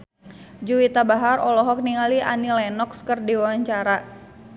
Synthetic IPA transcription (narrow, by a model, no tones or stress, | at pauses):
d͡ʒuwit̪abaɦarɔlɔɦɔk̚niŋaliʔa̰nilɛnɔkskərdiwawaɲt͡ʃaɾa